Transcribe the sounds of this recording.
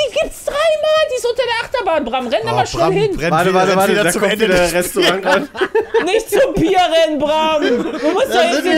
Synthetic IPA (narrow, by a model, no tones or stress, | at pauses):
iːɡiːp̚tsd̥ʁaɪmaːldiːɪsʔʊntɐdeːɐʔaχtɐbaːnbʁamʁɛnabɐʃnɛlhɪnvaəvatəvatədaɐkɔvideɐʁɛstoʁaŋannɪçtz̥obiːɐʁɛnbʁaːmd̥uːmʊstd̥aɪi